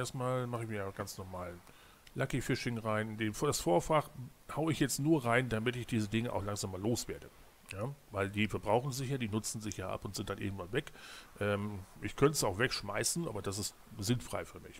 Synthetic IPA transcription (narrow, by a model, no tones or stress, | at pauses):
ʔeːɐstmaːlmaχəɪçjaːɡ̥ant͡snɔɐmaːl | lakifɪʃɪŋʁaɪnɪndenfd̥asfoːɐfaχhaʊəɪçjɛt͡stnuːɐʁaɪndamɪtɪçd̥iːzədɪŋəʔa̰ʊxlaŋzaːmːaːloːsv̥eːɐdə | jaːvaɪldiːfɛɐbʁaʊxn̩zɪçjaːdiːnʊt͡sn̩zɪçjaːʔa̰pʊntz̥ɪntd̥anʔḛːɡm̩tv̥anvɛkʔɛːmʔɪçkʰœntsaʊxv̥ɛkʃma̰ɪsn̩ʔa̰ːbɐd̥as̬ɪst | zɪnfʁ̥a̰ɪfyːɐmɪ̰ç